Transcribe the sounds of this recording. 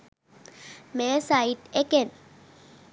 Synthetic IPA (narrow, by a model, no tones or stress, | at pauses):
mɛsaitɛkɛn